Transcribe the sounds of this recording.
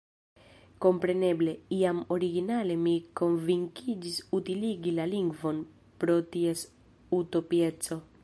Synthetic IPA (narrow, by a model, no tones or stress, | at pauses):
kompɾenebleiamoɾiɡinalemikoɱviŋkid͡ʒisut̪iliɡilaliŋɡvon | pɾot̪ies | ut̪opjet͡so